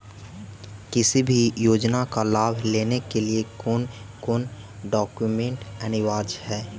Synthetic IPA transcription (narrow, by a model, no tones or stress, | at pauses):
kɪsibʱijoːd͡ʒnakalaːbʱleːnekeliekʊnkʊn | ɖɔːkjumẽɳʈɐnɪʋaːd͡ʒhɛː